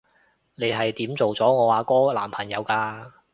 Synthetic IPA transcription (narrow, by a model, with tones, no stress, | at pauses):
ne˨˧jɦɐ˨jt̪iː˨˥mt͡so˨wt͡sɔː˨˥ŋɔː˨˧waː˨˧kɔː˥laː˨˩mpʰɐ˨˩ŋjɐ˨˧wkaː˧